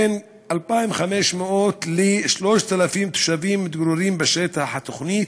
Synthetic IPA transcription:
en | ʔalpaːjnwxameʃmeʔot̪liʃloːʃt̪alafiːmt̪u̥ʃaviːmːɪt̪ɡɾuɾiːmbeʃet̪aħat̪oxniːt̪

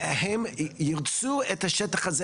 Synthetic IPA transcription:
hemjiʁt͡suet̪aʃet̪aχaze

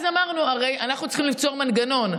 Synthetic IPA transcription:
zamaʁnuaʁe̞janaχnut͡sχimlift͡soʁmanɡano̞n

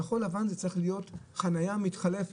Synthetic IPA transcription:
aχo̞lavanzet͡sʁiχlijo̞tχanajamitχale̞f

